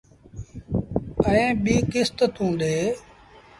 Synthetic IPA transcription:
əẽːɓiːkɪst̪t̪ũːɗ̪eː

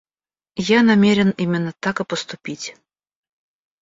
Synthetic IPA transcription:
janamʲeɾʲɪnimʲɪnːət̪akɨpəst̪ʊpʲitʲ

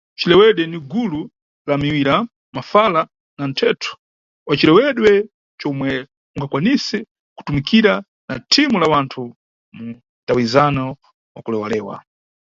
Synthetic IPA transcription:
t͡ʃilɛwɛɗwɛniɡulu | lamiwiɾa | mafala | nan̩tʰɛːtʰu̥ | wat͡ʃilɛwɛɗwɛ | t͡ʃɔmwɛ | uŋɡakwanisɛ | ku̥tumikʰiɾa | na̰tʰimulawantʰu | m̩ | tawizanɔ | wakulɛwalɛːwa̰

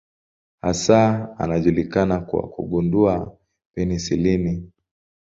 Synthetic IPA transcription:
hasaa̰naʄulikanakwa̰kṵɡundua | pɛnisilini

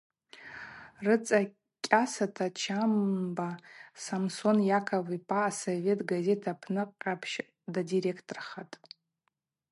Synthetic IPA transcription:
rɨt͡sʼa | kʲʼasatʰat͡ʃʰamnbasamso̞njakʰavipʰʼaːsove̞tʼɡaze̞tʰapʰnɨqʼːapʰʃ | dadiɾe̞kʰtʰʼorχatʼ

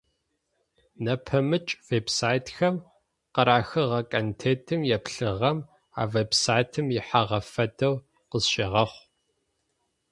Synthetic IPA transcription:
nɐpʰɐmɨt͡ʃʼveːbsaːjtʰxɐm | qɐɾaːxɨʁɐkʼɐntʰeːtʰɨmjɛpɬɨʁɐm | a̰ːveːbsaːjtʰɨmjɪħaʁɐfɐdɐw | qəzɕʼeʁɐχʷ

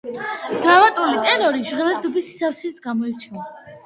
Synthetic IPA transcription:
ɡ̪̥ɾavat̪ʼulit̪ʼɛɾɔɾiʒʁɛlɛd̪ɔbisi̥safsit̪ʰɡ̥amɔiɾt͡ʃʰina

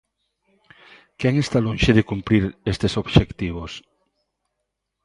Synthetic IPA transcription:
kɛŋest̪alõnʃeðekumpɾiɾest̪esoβʃekt̪iβ̞os

